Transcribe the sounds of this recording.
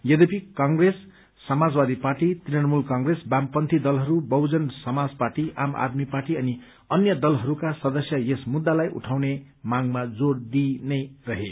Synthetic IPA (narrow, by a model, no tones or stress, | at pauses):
jʌd̪epikãŋɡresː | ʌmad͡zbad̪iparʈit̪riʌnmulkãŋɡresbampʌnt̪ʰid̪ʌlɦʌɾubʌwd͡zʌnsʌmad͡zparʈiʔa̰ma̰d̪miparʈiʌni | ʌnjʌd̪ʌlɦʌɾukasʌd̪ʌsjʌjesmud̪ːalajʔṵʈʰawne | maŋmad͡zoɽd̪inʌjrʌɦe